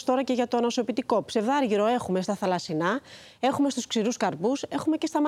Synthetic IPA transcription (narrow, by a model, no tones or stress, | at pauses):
st̪o̞ɾɐce̞ʝɐt̪oɐnɐso̞pit̪iko̞pse̞ðɐɾʝiɾo̞e̞xume̞st̪ɐθɐlɐsinɐ | e̞xume̞st̪usksiɾuskɐɾpuse̞xume̞ce̞st̪ɐmɐ